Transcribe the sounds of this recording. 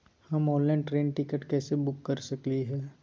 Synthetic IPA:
hɐmɔ̃ːnlɛ̃ːɳʈɾẽːnʈɪkəʈkɛːsebʊkːɐɾsɐkliɦɛː

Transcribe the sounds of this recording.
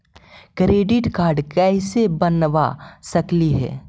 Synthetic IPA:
kɾeːɖɪʈkaːɾɖkɛsebənʋa̰sɐkliɦɛ̰ː

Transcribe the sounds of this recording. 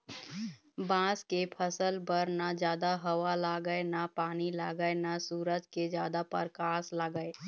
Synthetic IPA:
bãːskepʰəsəlbəɾnad͡ʒjaːd̪aɦəwalaːɡəenapaːnilaːɡəenasuːɾəd͡ʒked͡ʒjaːd̪apə̰ɾkaːslaːɡəe

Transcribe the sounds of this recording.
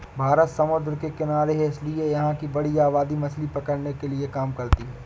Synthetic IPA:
bʱaːɾət̪sɐmʊd̪ɾkekɪnaːɾeɦɪsliejɐɦãkibɐɽiaːβaːd̪imɐslipɐkəɽnekeliekaːmkɐɾt̪iɦɛː

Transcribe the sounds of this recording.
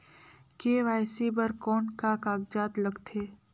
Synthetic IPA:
keːʋaːjsibɐɾkɔːnkakaːɡd͡ʒaːt̪lɐɡt̪ʰeː

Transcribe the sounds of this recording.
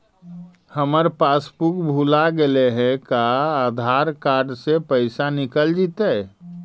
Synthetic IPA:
həməɾpaspukbʱulaɡeleɦɛ̃kaːd̪ʱaɾkaɾɖsepəɪsanikəld͡ʒit̪ɛ

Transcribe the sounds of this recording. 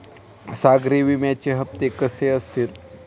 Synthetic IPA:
saɡɾiʋimjat͡ɕeɦəp̚t̪ekəseəst̪iːɾ

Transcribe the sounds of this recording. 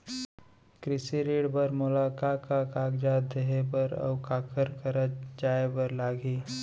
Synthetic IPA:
kɾɪsiɾeːɽbɐɾmʊlaːkaːkakaːɡd͡ʒaːd̪eɦepəɾɔ̰ːkaːkəɾkəɾəd͡ʒaːebəɾlaːɡiː

